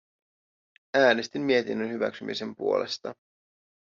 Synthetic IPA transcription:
æːnest̪imːie̞t̪inːønhyʋæ̰ksymʔḭse̞mpṵo̞le̞st̪ɑ

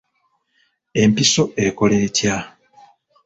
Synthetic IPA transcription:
e̞mpiso̞e̞ko̞le̞ːtja

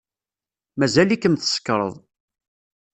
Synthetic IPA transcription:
mæzælikəmθə̥sə̥kːɾˤə̰ðˤ

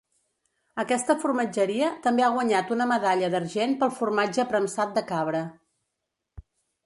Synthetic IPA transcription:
əkɛst̪əfurməd͡ʒəɾiət̪əmbeaɣ̞wəɲat̪unəməðaʎəðərʒenpəlˠfurmad͡ʒəpɾəmsat̪̚d̪əkaβɾə

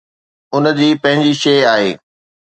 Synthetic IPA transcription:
ʊnə̆d͡ʑiːpɐ̃ɦɪ̃ɲd͡ʑiʃeːaːɦḛː

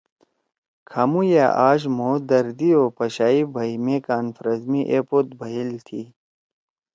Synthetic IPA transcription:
kʰamuja̰ːʔaːɕ̬moːd̪ɐɾd̪ioːpɐɕaːibʱɐimekaːnfɾɐzmiʔepot̪̚bʱɐɦilt̪ʰi

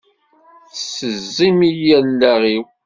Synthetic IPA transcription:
θsəzːimijænːæʁiw

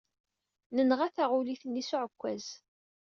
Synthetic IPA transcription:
nənʁaθaʁʊliθənːisʊʕəkʷːæz̥

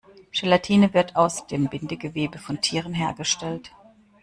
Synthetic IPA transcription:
ʃɛlatʰiːnəvɪɐtʰaʊsd̥eːmbɪndəɡəveːbəfɔntʰiːʁ̞ənɦeːɐɡəʃtɛlt

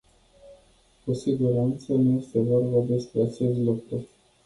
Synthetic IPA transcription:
kusiɡuɾant̪sənuje̞st̪e̞vorbəd̪e̞spɾe̞at͡ʃe̞st̪lukɾu

